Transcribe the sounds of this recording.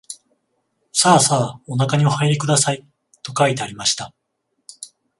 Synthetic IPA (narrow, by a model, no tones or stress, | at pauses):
saːsaːo̞nakaɲ̟io̞haeɾʲikɯ̟d̪asai | t̪o̞kait̪e̞aɾʲimaɕi̥t̪a